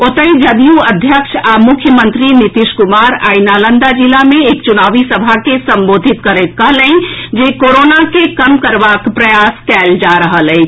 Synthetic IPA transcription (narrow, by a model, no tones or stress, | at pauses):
ot̪əĩd͡ʒəd̪ijuɐd̪ʱjəkʃamʊkʰjəmə̃nt̪ɾinɪt̪ɪʃkʊmaːɾa̰ːinaːlə̃nd̪ad͡ʒilamẽeːkt͡ʃʊnaːʋisəbʱakesɐ̃mboːd̪ʱɪt̪kəɾet̪̚kəɦlẽĩd͡ʒeːkoːɾoːnakekɐmkəɾʋakpɾɐjaːskɛːld͡ʒaːɾəɦəlɦɛi